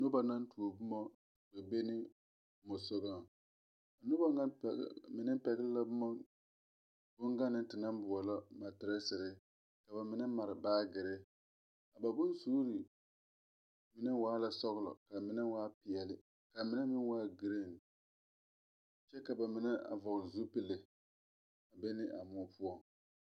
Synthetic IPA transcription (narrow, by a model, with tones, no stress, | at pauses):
nʊ˦ba˨na˦ntu˨o˨bʊ˦mɔ˦ | ba˨be˦nɪ˦ | mʊ˨sʊ˦ɡa˦˨ | a˨nʊ˦ba˦ŋa˦˨˦mɪ˨nɪ˦pɛ˨ɣɪ˦lla˦bʊ˦mɔ˦ | bʊ˦ŋɡa˦nːɪ˦tɪ˨na˦m˦bʊ˨ɔ˨lɔ˦ma˨tɪ˨ɾɪ˦sɪ˨ɾɪ˦ | ka˨ba˨mɪ˨˦nɛ˦ma˨ɾɪ˨baː˦ɡɪ˨ɾɪ˦ | a˨ba˨bʊ˦nsuː˦ɾi˨ | mɪ˦nɛ˦waː˦la˨sɔ˦ɣʊ˦lɔ̰˨ka˨mɪ˦nɛ˦waː˦pɪ˨ɛ˨lɪ˦ | ka˨mɪ˦nɛ˦mɪ˦n˦waː˦ɡɪ˨˦ɾe˦˨n˨ | t͡ʃɛ˦ka˨ba˨mɪ˨nɛ˦ʔa̰˨vɔ˨ɣlzu˦pɪ˦lɪ˦ | a˨bɛ˦nɪ˦ʔa˨mʊ˦ɔ˦pʊ˦ɔ˨ŋ